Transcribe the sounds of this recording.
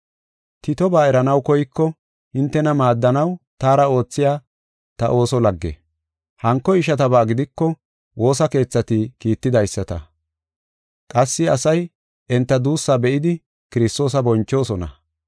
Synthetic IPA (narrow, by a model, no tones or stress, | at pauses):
t̪ɪt̪ɔbaːɛɾɐnɐwkɔjkːɔ | hɪnt̪ːɛnɐmaːd̪ːɐnɐwt̪aːɾɐo̞ːt͡sːɪjaː | t̪ɐʔo̞ːsɔlɐɡːɛ̰ | hɐŋkːɔɪʃɐt̪ɐbaːɡɪd̪ɪkːɔ | wo̞ːsɐke̞ːt͡sːɐt̪ɪkiːt̪ːɪd̪ɐjsːɐt̪ɐ̰ | kʼɐsːɪɐsɐj | ɛnt̪ːɐd̪uːsːabɛʔɪd̪ɪ | kɪɾɪst̪o̞ːs̬ɐbɔnt͡ʃːo̞ːsɔnɐ̰